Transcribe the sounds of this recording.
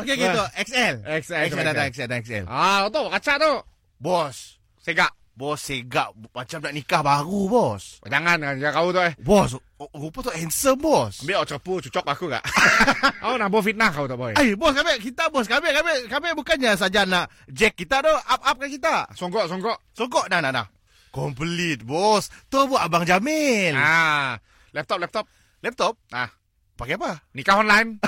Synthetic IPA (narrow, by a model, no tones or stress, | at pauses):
okeket̪ɔʔɛksɛlɛksɛɛsɛdadaɛksɛldaɛksɛ̰latɔt̪̬ɔbakat͡ʃaʔt̪o | bɔsː | eɡaʔ | bɔsːeɡaʔmat͡ʃamdaʔnikahbaɾubɔsd͡ʒaŋankand͡ʒakaut̪ɔʔɛhbɔs̬ | ɾupat̪ɔʔɛnsəmbɔsəmbeʔɔʔt͡ʃəput͡ʃut͡ʃɔk̚bakuka̰ʔ | aunahbɔfit̪̚nakawut̪ɔʔbɔɛajbɔskabɛʔkit̪aʔbɔs̬kabɛʔkabɛkabɛʔbukanɲas̬ad͡ʒanaʔ | d͡ʒɛkːit̪aʔd̪ɔap̚ap̚kakit̪aʔsɔŋɡɔʔsɔŋɡɔʔsɔŋɡɔʔnahnaʔna̰h | kɔmplit̪̚bɔst̪obuaʔabaŋd͡ʒamɪna | lɛp̚t̪ɔp̚lɛp̚t̪ɔp̚ | lɛp̚t̪ɔp̚ah | paɡiapanikahɔnlajn